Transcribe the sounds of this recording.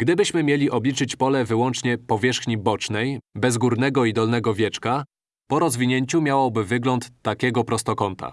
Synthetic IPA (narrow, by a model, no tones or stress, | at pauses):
ɡ̥d̪ɘbɘɕmɘmʲjelʲiʔɔblʲit͡ʂɘt͡ɕpɔlɛvɘwɔnt͡ʂɲɛpɔvʲjɛʂxɲibɔt͡ʂnɛjbɛzɡuɾnɛɡɔid̪ɔlnɛɡɔvʲjɛt͡ʂka | pɔɾɔzvʲiɲeɲt͡ɕumʲjawɔbɘvɘɡlɔnt̪ːakʲɛɡɔpɾɔst̪ɔkɔnt̪a̰